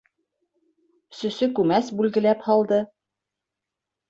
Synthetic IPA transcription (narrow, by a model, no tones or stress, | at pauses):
ɵsɵ̆sɵkʉmæsbʉlɡɘ̆læphɒlˠd̪ɤ